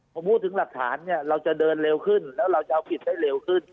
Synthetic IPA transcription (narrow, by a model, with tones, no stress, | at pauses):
hmu˦˥t̪ɨ˨˦ŋlaː˨˩k̚t̪ʰaː˨˦nɲaː˧˩la˧wt͡ɕaː˧˩ɗəː˧˩nle˧˩wxɨː˧˩nlɛː˨˦˥wla˧wt͡ɕaː˧wki˨˩t̚t̪a˧˦jle˨˧˩wxɨ˧˩n